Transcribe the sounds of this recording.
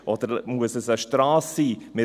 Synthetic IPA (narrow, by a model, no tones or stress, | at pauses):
ʔɔd̥̪əɾmuəsəsəʃtɾɑːsːiːmɪ